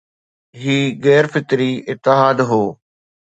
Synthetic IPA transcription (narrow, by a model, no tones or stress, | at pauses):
ɦiːɣɛːɾfɪt̪ɾiɪt̪ːɪɦaːd̪ɦoː